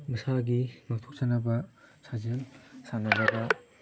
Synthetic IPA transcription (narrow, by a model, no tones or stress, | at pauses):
mɯsaɡimaktʰok̚t͡ʃanɐbɐsazensanɐɾɐbɐ